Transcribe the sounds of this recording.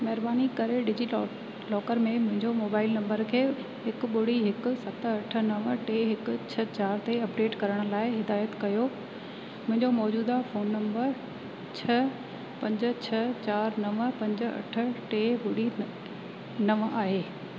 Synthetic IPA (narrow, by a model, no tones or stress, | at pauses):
mɐɦɪɾbaːnikɐɾeɖɪd͡ʑi | lɔːkəɾmẽmʊ̃ɦɪ̃ɲd͡ʑomoːbaːɪlnɐ̃mbəɾkʰeː | ɦɪkɓʊɽ̤iɦɪkʊ̆sɐt̪ʰɐʈʰə̆nɐʋʈeɦɪkʊ̆t͡ɕʰɐt͡ɕaːɾt̪eɐpɖeːʈkɐɾəɽ̃ʊ̆laːɪɦɪd̪aːjət̪kɐjo | mʊ̃ɦɪ̃ɲd͡ʑomɔːd͡ʑuːd̪afoːnːɐ̃mbəɾ | t͡ɕʰɐ | pɐ̃ɲd͡ʑə̆t͡ɕʰɐt͡ɕaːɾnɐʋpɐ̃ɲd͡ʑ̆ɐ̰ʈʰʊ̆ʈeɓʊɽi | nɐʋaːɦeː